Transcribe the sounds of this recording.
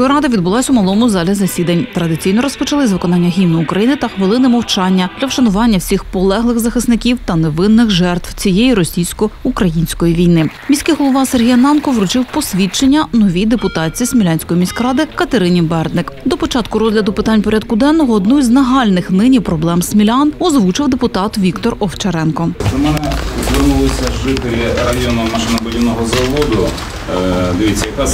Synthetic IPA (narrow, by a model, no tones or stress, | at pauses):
ɔjiɾɑd̪ɐʋʲid̪̚bʊlˠɑsʲʊmɐlˠɔmʊzɑlʲizɐsʲid̪ɐnʲt̪ɾɐd̪ɪt͡sʲijnɔɾɔspɔt͡ʃɐlˠɪzʋɪkɔnɑnʲːɐɦʲimnɪʊkɾɐjinɪt̪ɐxʋɪlˠɪnɪmɔwt͡ʃɑnʲːɐd̪lʲɐwʃɐnʊʋɑnʲːɐwsʲixpɔlˠɛɦlˠɪxzɐxɪsnɪkʲiwt̪ɐneʋɪnːɪxʒɛrt̪wt͡sʲijejiɾɔsʲijsʲkɔukɾɐjinʲsʲkɔjiʋʲijnɪ | mʲisʲkɪjɦɔlˠɔʋɑserɦijɐnɑnkɔʋɾʊt͡ʃɪwpɔsʲʋʲit͡ʃenʲːɐnɔʋʲijd̪epʊt̪ɑt͡sʲijisʲmʲilʲanʲsʲkɔjimʲisʲkɾɑd̪ɪkɐt̪eɾɪnʲibɛrd̪nɪkd̪ɔpɔt͡ʃɑt̪kʊɾɔzʲlʲɐd̪ʊpɪt̪ɑnʲpɔɾʲɑd̪kʊd̪ɛnːɔɦɔːd̪nɔzʲnɐɦɑlʲnɪxnɪnʲipɾɔblˠɛmsʲmʲilʲɑnɔzʋut͡ʃɪwd̪epʊt̪ɑt̪ʋʲikt̪ɔrɔwt͡ʃɐɾɛnkɔt͡ʃɔmɛnɛzɾʲɪnʊlˠɔsʲɐʒɪt̪elʲirɐjɔnʊmɐʃɪnɐbʊdʲiwnɔɦɔzɐʋɔd̪ʊ | d̪ɪʋʲit͡sʲːɐjɐkas